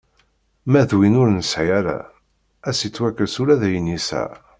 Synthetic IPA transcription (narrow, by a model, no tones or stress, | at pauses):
mæðwinʊɾnəsʕijæɾa̰ | æsit͡sːwækːəɾsʊɾæðæjənːisæ̰